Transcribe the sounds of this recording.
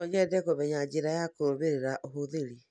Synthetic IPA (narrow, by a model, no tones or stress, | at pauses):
ɔɲɛdɛɡoβɛɲad͡ʒiɾajakoβeɾeɾaʔoɦoðeɾi